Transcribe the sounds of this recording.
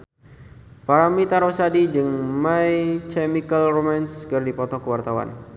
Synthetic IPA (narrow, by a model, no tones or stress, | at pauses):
paɾamit̪aɾosadid͡ʒɨŋmajt͡ʃɛmikəlromanskərdipɔt̪ɔkəwart̪awa̰n